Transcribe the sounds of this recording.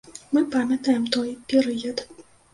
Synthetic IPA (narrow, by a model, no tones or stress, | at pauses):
mɨpamʲɐt̪ajɛmt̪ɔjpʲɛɾɨjɐt̪